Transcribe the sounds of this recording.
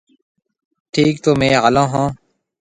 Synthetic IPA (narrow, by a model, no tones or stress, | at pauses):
ʈʰiːkt̪oːmẽːɦəlãːɦãː